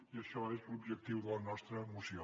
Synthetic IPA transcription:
iəʃɔezlubʒək̚t̪iwðəlˠnɔst̪ɾəːmusio

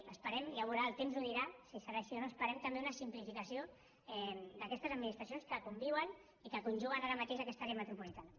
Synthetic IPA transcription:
əspəɾɛmləβ̞uɾaəlˠt̪emzuðiɾasisəɾaːʃionoəspəɾɛmt̪əmbeunəsimplifikəsio | ɛd̪əkɛst̪əzəd̪minist̪ɾəs̬jonskəkumbiwən | ikəkunʲʒuɣənaɾəmat̪eʃakɛst̪aɾemət̪ɾupulit̪anə

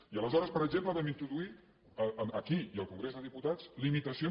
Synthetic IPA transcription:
iələzɔɾəspəɾəɡʒempləβɛmint̪ɾuðui | əəəkiiəlˠkuŋɡɾezðəðiput̪az̥limit̪əsio

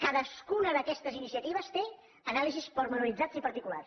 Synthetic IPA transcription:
kaðəskunəðəkɛst̪əzinisiət̪iβ̞əst̪e | ənalizispəɾmənuɾid͡zad͡zipəɾt̪ikula̰rs

